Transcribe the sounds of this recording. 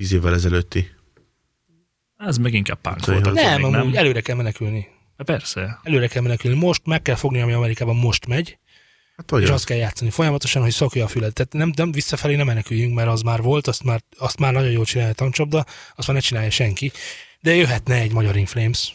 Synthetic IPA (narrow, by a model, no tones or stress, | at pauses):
iːzeːvːɛlɛzɛløt̪ːi | ɛzmɛɡiŋka̰ːbpa̰ŋklnɛmɒmuːɟɛløːɾɛkɛlmɛnɛkylni̥ | ɛpɛrsɛɛløːɾɛkɛlmɛnɛkylnimo̞ʃt̪mɛkːɛlfo̞ɡniɒmiɒmɛɾikaːbɒmmo̞ʃt̪mɛɟ | at̪ʋɒeːʃɒst̪kɛljaːt̪sɒnifo̞jɒmɒt̪o̞ʃɒnɦo̞csokjɒːfylɛt̪ːɛt̪nɛmnɛmvisːɒfɛleːnɛmːɛnɛkyjyŋkmɛɾɒzmaːrvo̞lt̪ɒst̪maːrɒst̪maːrnɒɟo̞njoːlt͡ʃinaːliɒt̪ɒnt͡ʃob̚d̪ɒɒst̪maːrnɛt͡ʃinaːjɒʃɛŋkid̪ɛjøɦɛt̪nɛɛɟmɒɟɒɾiɱfleːms